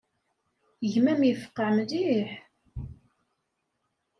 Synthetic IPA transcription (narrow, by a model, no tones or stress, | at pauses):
ʝmæmjəfə̥qːəʕmðiħ